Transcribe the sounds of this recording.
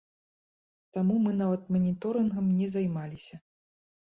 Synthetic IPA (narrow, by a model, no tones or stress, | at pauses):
t̪amumɨnavɐt̪̚mɐnʲit̪ɔɾɨnɣɐmnʲɛzajmalʲisʲɐ